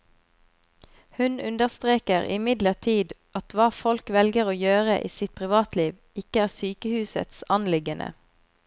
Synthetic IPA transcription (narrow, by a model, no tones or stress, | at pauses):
hʉnʉnd̪əʁst̪ʁeːkəʁɪ̰mɪd̪ləʁʈʰiːd̪ʔɑt̪ʋɑːfɔlkʋɛlɡəʁoːjøːʁəʔiːsɪt̪̚pʰʁɪʋɑːt̪liːʋ | ɪkəæːʁsyːkəhʉːsə̰t̪sɑnlɪɡənʔə̰